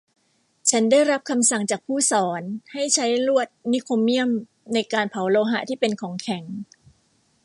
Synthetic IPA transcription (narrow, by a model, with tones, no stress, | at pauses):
t͡ɕʰa˦˥ndaː˥˩jɾa˦˥p̚kʰa˧msa˨˩ŋt͡ɕaː˨˩k̚pʰuː˥˩sɔː˩˦nha˥˩jt͡ɕʰa˦˥jlu˥˩ət̪̚ni˦˥kʰo˧mːi˥˩əm | na˧jkaː˧npʰa˩˦wloː˧ɦa˨˩t̪ʰiː˥˩pe˧nkʰɔː˩˦ŋkʰɛ˩˦ŋ